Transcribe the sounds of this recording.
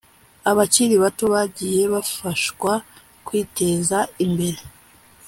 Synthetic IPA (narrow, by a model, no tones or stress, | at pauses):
aβat͡ʃiɾiβato̞βaɟiːje̞βafaʃkwa | kwiːte̞ːzaimbe̞ɾe